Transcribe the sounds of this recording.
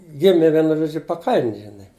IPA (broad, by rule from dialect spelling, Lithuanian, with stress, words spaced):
ˈɡʲɪmʲɪ ˈʋʲiɛnʊ ˈʒoːd͡ʒʲʊ pɐˈkɐlʲnʲ ʒʲɪˈnɐɪ